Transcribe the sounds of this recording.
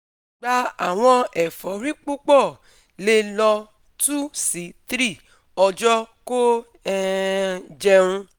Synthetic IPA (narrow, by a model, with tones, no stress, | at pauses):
ɡ͡ba˧a˨w̃ɔ̃˧ɛ˨fɔ˨˦ɾi˦k͡pu˦k͡pɔ˦˨ | le˧lɔ˧ | tu˦si˨˦tɾi˦˨ | ɔ˧d͡ʒɔ˦ko˦ | d͡ʒɛ˧ɾũ˧